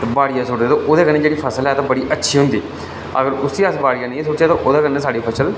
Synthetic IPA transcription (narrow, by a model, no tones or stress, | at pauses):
baːɽijãːsʊːʈd̪eːt̪õːʔoːd̪eːkənːeːd͡ʒeːɽiːpʰəsəlɛːt̪ãːbəɽiːʔətːʃʰiːɦʊnd̪iː | ə̰ɡəɾʊsiːasbaːɽijãːnẽsʊt͡ʃaːt̪õʔoːd̪aːkənːeːsaːɽiːpʰəʃəl